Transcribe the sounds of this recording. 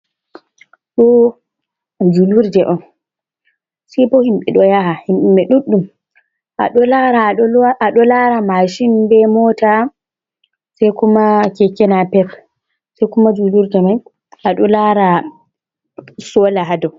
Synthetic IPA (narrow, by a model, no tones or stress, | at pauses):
ɗɔ | d͡ʒuluɾdɛʔɔn | sɛpɔhimɓɛɗɔjahahimɓmɓɛɗuɗːum | ʔa̰ɗɔlaɾaɔʔaɗɔlaɾamaʃinbɛmɔːta | sɛjkumakɛkːɛnapɛp | sɛjkumad͡ʒuluɾdɛmaj | ʔaɗɔlaɾa | sɔlaɦadɔ